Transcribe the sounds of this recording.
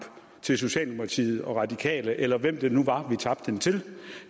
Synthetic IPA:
b̥ | t͡sʰe̝ls̬o̝ɕɛ̰ːlnumʁɑt͡sʰḭːð̞̩ˠɒ̽ʁɑ̈d̥ikʰɛ̰ːləʔelɐʋem̰d̥e̝nuʋɑ̈ʋit͡sʰɑ̈b̥̚d̥hent͡sʰe̝l

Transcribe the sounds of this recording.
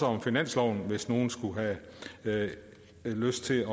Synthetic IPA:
əɒ̽mfinæn̰slɒʊ̰n̩ʋe̝sno̝ːn̩sɡ̥uɦæ | løsd̥̚t͡sʰe̝lɒ̽

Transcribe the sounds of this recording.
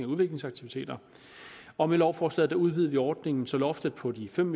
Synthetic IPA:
ŋæuð̞ˠʋe̝ɡ̥le̝ŋsɑ̈ɡ̥̚t͡sʰiʋit͡sʰe̝̰ːd̥ɐ | ɒ̽melɒʊ̰fɒːslɛ̰ð̩ˠd̥æuð̞ˠʋiːð̞ˠʋiɒːd̥ne̝ŋn̩sɒ̽lɒ̽fd̥əð̥̩ˠpʰɒ̽d̥ifem̰

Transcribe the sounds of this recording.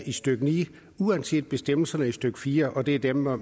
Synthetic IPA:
ʔisd̥øɡ̥ənḭː | uænse̝̰ːd̥̚b̥e̝sd̥em̰l̩sɐnəisd̥øɡ̥əfiːɐʔɒ̽d̥e̝æɐd̥em

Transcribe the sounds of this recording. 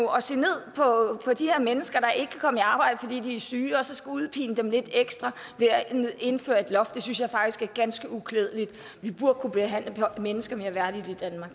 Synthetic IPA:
uɒ̽se̝̰ːne̝ð̞̰ˠpʰɒ̽pʰɒ̽d̥iheɐmenəsɡ̥ɐɾ̥ɑ̈ʔe̝ɡ̥ə̥kʰækʰɒ̽məeɑ̈ːb̥ɑ̈ɪ̰dəfɒ̽d̥ḭːd̥iæsyːɒ̽sɒ̽sɡ̥æuðˠpʰḭːnəd̥emle̝d̥eɡ̥sd̥ʁɑ | ʋe̝æe̝nfø̰ːɐe̝d̥lɒ̽fd̥e̝synsjɑ̈ɪfɑ̈ɡ̥̚d̥isɡ̥æɐɡ̥ænsɡ̥əukʰleð̞ˠlid̥ | ʋib̥uɐ̥kʰub̥e̝ɦæn̰ləpʰɒmenəsɡ̥ɐme̝ɐʋæɐd̥id̥ˠid̥ænmɑ̈ɡ̥

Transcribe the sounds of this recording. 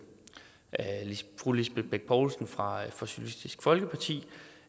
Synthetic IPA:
pʰʁulisb̥eb̥eɡ̥̚pʰɒːlsnfʁɑ̈fɒsylisd̥isɡ̥fɒ̽lɡ̥əpʰɑ̈t͡sʰḭː

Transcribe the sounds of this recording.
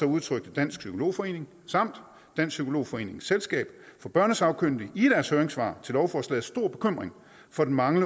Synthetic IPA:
ɒ̽uð̞ˠt͡sʰʁœɡ̥̚d̥əd̥æn̰sɡ̥sykʰo̝lo̝̰ːfɒ̽e̝̰ːne̝ŋ | sɑ̈m̰d̥ː | æn̰ssykʰo̝lo̝̰ːfɒ̽e̝̰ːne̝ŋ̩selsɡ̥ɛ̰ːb̥fɒ̽b̥ɶɐ̰nəsɑ̈ʊkʰøn̰d̥iid̥æɐshøːɐeŋsʋɑ̰̈ːt͡sʰe̝lɒʊfɒslɛ̰ːð̩ˠsd̥o̝ɐ̰b̥e̝̥kʰøm̰ʁeŋ | fɒ̽d̥en̩mɑ̈ŋlə

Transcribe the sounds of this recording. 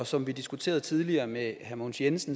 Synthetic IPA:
ɒsɒ̽mʋid̥isɡ̥ut͡sʰe̝̰ːɐð̞̩ˠt͡sʰið̞ˠliɐːmehæmonsjensn̩

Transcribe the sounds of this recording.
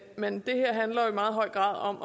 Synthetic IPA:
mend̥e̝heɐ̰ɦænlɐjo̝imɑ̈ːð̩ˠɦɒ̽ɪ̰ɡ̥ʁɑ̰̈ːðˠɒ̽m

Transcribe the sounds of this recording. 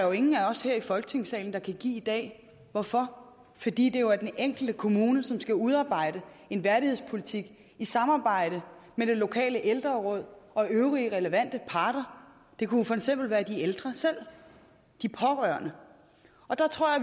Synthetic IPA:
jo̝e̝ŋn̩æɒ̽sheɐ̰ifɒ̽lɡ̥ət͡sʰe̝ŋ̰sɛ̰ːln̩d̥ɑ̈kʰæɡ̥ḭːid̥ɛ̰ː | ʋɒfɒ̽ | fɒd̥ḭːd̥e̝jo̝æɐd̥eneŋ̰ɡ̥l̩d̥əkʰo̝muːnəsɒ̽msɡ̥æuð̞ˠɑ̈ːb̥ɑ̈ɪ̰d̥ə | e̝nʋæɐɾihe̞̰spʰo̝lit͡sʰiɡ̥ | isɑ̈mɑ̈ːb̥ɑ̈ɪ̰ɾ̥əmeɾ̥e̝lo̝kʰɛ̰ːləʔeld̥ʁɐʁɔ̽ð̞̰ˠɒ̽ʔøʊʁiəʁɛləʋæn̰d̥əpʰɑ̈ːɾ̥ɐ | d̥e̝kʰuofɒ̽eɡ̥sem̰b̥l̩ʋæːɐd̥ield̥ʁɐsel̰ | d̥ipʰɒ̽ʁœɐnə | ɒ̽d̥ɑ̈t͡sʰʁo̰ɐ̰ɐ

